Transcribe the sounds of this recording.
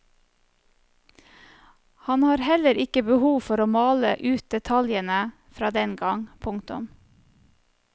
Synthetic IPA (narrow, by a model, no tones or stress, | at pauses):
hɑnhɑːɾhɛləɾɪkəbəhuːfɔɾoːmɑːləʔʉːt̪̚d̪̥ɛt̪ʰɑljənə | fɾɑːd̪ɛnɡɑŋpʰʊŋt̪ʊ̰m